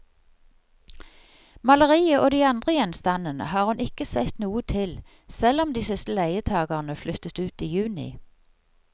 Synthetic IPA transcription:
mɑləʁiːəʔoːd̪iːɑnd̪ʁəjɛnst̪ɑnənə̰hɑːʁhʉnɪkəsɛt̪nuːət̪ʰɪl | sɛlɔmd̪iːsɪst̪əlæɪət̪ʰɑːɡɑʁnəflʏt̪ət̪ʉːt̪iːjʉːnɪ̰

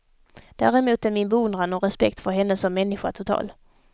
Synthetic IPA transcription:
d̪̥æ̰ːɾɛmuːt̪æɾmɪnbɛɵnd̪ɾanɔɾɛspɛk̚t̪fœɾɦɛnːəsɔmːɛnːɪɧa̰t̪ʰʊt̪ʰɑ̰ːl

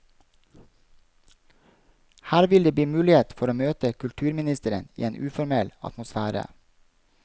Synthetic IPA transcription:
hæːɾʋɪld̪eːbiːmʉːlɪheːt̪fɔɾoːmøːt̪əkʰʉlt̪ʰʉːɾmɪnɪst̪əɾənḭːeːnʔʉːfɔɾmɛlɑ̰t̪mʊsfæːɾə̰

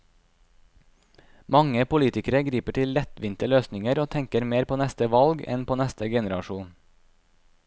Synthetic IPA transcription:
mɑŋəpʊliːt̪ɪkəɾəɡɾiːpəʈʰɪllɛt̪ʋɪnt̪əløːsnɪŋəɾoːt̪ʰɛŋkəɾmeːɾpʰoːnɛst̪əʋɑlɡɛ̰npʰoːnɛst̪əɡɛnəɾɑʃuːn

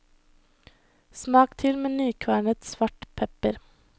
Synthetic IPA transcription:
smɑːkt̪ʰɪlmeːnyːkʰʋæːɳət̪sʋɑʈpʰɛpəɾ

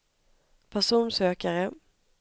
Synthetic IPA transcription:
pʰæʂuːnsøːkaɾə

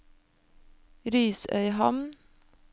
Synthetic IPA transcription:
ɾyːsœ̰ʏhɑmn

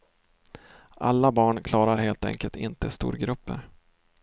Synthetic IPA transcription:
ʔa̰lːabɑːɳkʰlɑːɾaɾheːlt̪ɛ̰ŋkəlt̪ʰɪnt̪əst̪ṵːɾɡɾɵpːəɾ

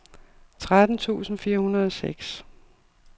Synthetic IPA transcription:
t͡sʰʁad̥n̩t͡sʰṵːsn̩fiːɐhunɐðˠɒseɡ̥s

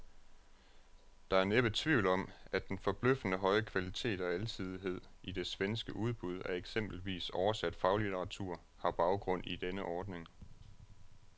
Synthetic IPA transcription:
d̥ɑ̈æɐneb̥ət͡sʰʋiʊ̰lɒ̽m̰æ̥enfɒ̽b̥løfdənəɦɒ̽ɪəkʰʋælit͡sʰe̝̰ːd̥ɒ̽ælsʰið̞ˠiɦe̝ð̰ˠid̥e̝sʋensɡ̥əʔuð̞ˠb̥uð̞ˠæɐeɡ̥sem̰b̥l̩ʋḭːsɒʊɐsæd̥fɑ̈ʊlit͡sʰəʁɑ̈t͡sʰuɐ̰ | hɑ̈b̥ɑ̈ʊɡ̥ʁɔ̽n̰id̥enəʔɒːd̥ne̝ŋ

